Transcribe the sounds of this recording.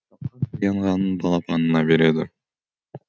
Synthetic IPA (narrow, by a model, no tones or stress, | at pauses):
ɑɑjɑɴʁɑnɯnbɑlˠɑpɑnɯnɑbe̞ɾe̞d̪ɪ